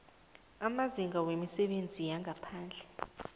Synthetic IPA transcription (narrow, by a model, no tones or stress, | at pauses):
amaziŋɡawemisɛɓend͡zʱijaŋʱapʰaːnd͡ɮʱɛ